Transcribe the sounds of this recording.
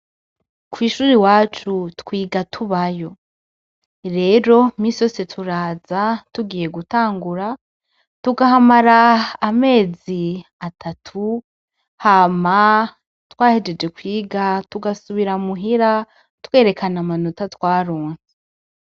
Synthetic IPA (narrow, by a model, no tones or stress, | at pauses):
kwiːʃuːɾiwaːt͡ʃutkwiːɡatʰuβajo̞ | ɾe̞ːɾo̞miso̞setʰuɾaːzatuɡiːje̞ɡutaːŋɡuɾa | tuɡahamaɾaːme̞ːziatʰatʰu | hama | twaːhed͡ʒe̞d͡ʒe̞kwiːɡatuɡasuβiɾamuɦiɾa | ttkwe̞ːɾe̞kanamanutatwaːɾoːnse